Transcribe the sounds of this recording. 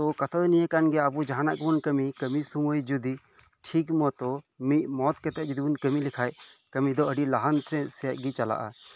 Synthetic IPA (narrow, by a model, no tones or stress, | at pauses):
t̪ɔkat̪ʰəlnijekanɡɛabud͡ʒaɦanaʔkbunkəmikəmisuməjd͡ʒud̪i | ʈʰikmɔt̪ɔ | miʔ̚mɔt̪kɛt̪ɛʔ̚d͡ʒud̪ibunkəmilikʰajkəmid̪ɔəɖilaɦant̪ʰɾɛ̃sɛjaʔ̚ɡit͡ʃala̰ʔa̰